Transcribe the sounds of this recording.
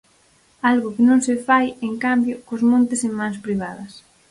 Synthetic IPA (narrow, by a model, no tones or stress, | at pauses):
alɣʊkɪnõŋsɪfajeŋkambjʊkʊzmõnt̪ɪsemãŋspɾiβ̞aðɐs